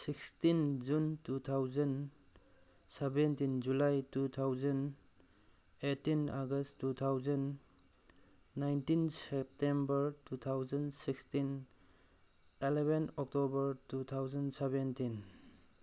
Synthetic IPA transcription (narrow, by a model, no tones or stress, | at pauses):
sikstind͡ʒuntut̪ʰawzɐn | sebentind͡ʒulajtut̪ʰawzɐn | etːinaɡɐsttːut̪ʰawzɐn | ajntinsep̚tembəɾtut̪ʰawzɐnsikstin | elebenɔk̚tobɐɾtut̪ʰawzɐnsebentin